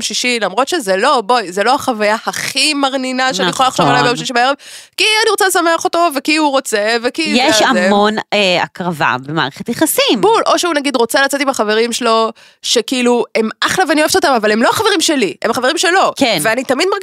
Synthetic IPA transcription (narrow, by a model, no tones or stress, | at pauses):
mʃiʃilamʁo̞t̪ʃe̞zelo̞bo̞jzelohaχavajahaχimaʁninaʃeanijeχolalaχʃovalajbejomʃiʃibaeev | kianiʁot͡selesameaχo̞t̪o̞vekiuʁo̞t͡se̞vekijeʃammona̰kʁava̰bema̰ːʁeχet̪jeχasimbulʔo̞ʃeunaɡid̪ʁo̞t͡selat͡set̪imhaχave̞ʁimʃelo̞ | ʃe̞kiiluemaχlavanioeet̪ot̪amavale̞mlo̞haχave̞ʁimʃe̞liemhaχaveimʃelo̞keveanit̪amid̪maʁɡ